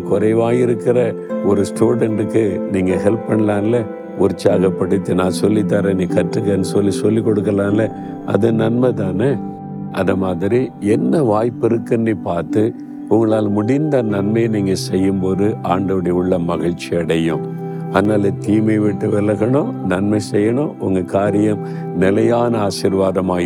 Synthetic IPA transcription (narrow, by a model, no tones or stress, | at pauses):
kɔɾɐɪʋaːjɪɾɯkːɪɾɐ | ɔɾɯsʈuːɽɛɳɖɯkːɯniːŋɡɐɦɛlp̚pɐɳɐlaːnlɐ | ʊɾɪt͡ʃːaːɣɐpːɐɽɯt̪ːɯnãːsɔlːɪt̪̬ːaːɾẽniːkɐʈrɯkːeːnɯsɔlːisɔlːikːɔɽɯkːɐlaːnlɐ | ʔɐ̰ðɯnɐnmɐt̪aːnɯ | ʔɐðɐmaːðɪɾiɛnːɐʋaːjpːɪɾɯkːɐnɖipaːɾt̪ɯ | ʊŋɡɐɭaːlmʊɽɪnd̪ɐnɐnmɐjniːŋɡɐsɛjːɯmboːðɯʔaːɳɖɐʋɐɽɐjʊɭːɐmɐɣɐɻt͡ʃːiɐɽɐjʊ̃ | ɐðɐnaːlɐt̪iːmɐɪʋɪʈːɯʋɛlɐɣɐɳõːnɐnmɐɪsɛjːɐɳõːʔʊ̰ŋɡɐkaːɾɪjɐm | nɪlɐjaːnɐaːsɪɾʋaːðɐmaː